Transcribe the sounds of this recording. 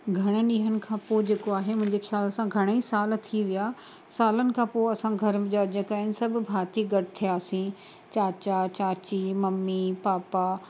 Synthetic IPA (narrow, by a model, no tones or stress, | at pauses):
ɡʱɐɽ̃əɗiːɦənɪ̆kʰãːpoːd͡ʑeːkoaːɦemʊ̃ɦɪ̃ɲd͡ʑexjaːlsãɡʱɐɽ̃eisaːlt̪ʰiʋija | saːlənɪ̆kʰãːpoɐsãɡʱɐɾmd͡ʑaːd͡ʑəkaːɪnɪ̆sɐbʱɪ̆bʱaːt̪iɡɐʈɪt̪ʰijaːsĩ | t͡ɕaːt͡ɕat͡ɕaːt͡ɕimɐmːipaːpa